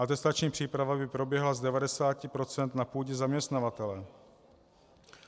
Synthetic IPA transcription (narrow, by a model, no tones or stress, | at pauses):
ʔat̪ɛst̪at͡ʃɲiːpr̝̥iːpɾavabɪpɾo̞bjɛɦlazdɛvadɛsaːcɪpɾo̞t͡sɛnt̪napuːɟɛzamɲɛst̪navat̪ɛlɛ